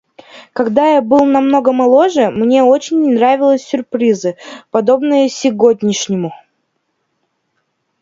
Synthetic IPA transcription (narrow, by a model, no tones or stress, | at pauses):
kɐɡd̪ajabɨlˠnɐmno̞ɡəmɐlˠo̞ʐɨmnʲe̞o̞t͡ɕɪnʲːɪnɾavʲɪlˠəsʲːʊrpɾʲizɨpɐd̪o̞bnɨjəsʲɪɡo̞dʲnʲɪʂnʲɪmʊ